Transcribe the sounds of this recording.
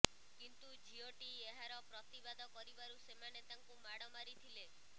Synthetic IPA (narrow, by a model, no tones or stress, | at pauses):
kint̪ud͡ʒioʈieɦaɾɔpɾɔt̪ibad̪ʱɔkɔɾibaɾusemanet̪aŋkumaɽɔmaɾit̪ʰile